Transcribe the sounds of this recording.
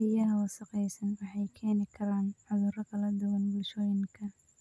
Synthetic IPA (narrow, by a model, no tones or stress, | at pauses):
ɪjɐɦɐwɑsɐqɛjsɐnwɑħɑjkʰɛːnɪkʰɐɾaːnʕʊðʊɾɐkʰɐlɐd̪ʊwɐnbʊlʃɔːjɪŋkʰɐ